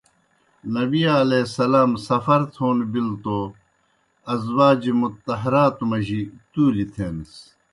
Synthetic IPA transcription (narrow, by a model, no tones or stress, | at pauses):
nɐbijalesɐlaːmsɐfɐɾt̪ʰoːnbilt̪o | ɐzwaːd͡ʑimut̪ːɐɦɐɾaːt̪umɐʑit̪uːlit̪ʰeːns